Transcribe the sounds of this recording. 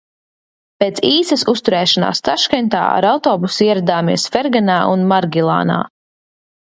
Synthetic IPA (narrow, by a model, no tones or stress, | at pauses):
peːt̪siːsɐsust̪uɾɛːʃana̰ːst̪aʃkant̪a̰ːa̰ɾawt̪ɔːbusiɛɾad̪aːmḭɛsfɛɾɡanaːʔunmaɾɡʲilˠa̰ːna̰ː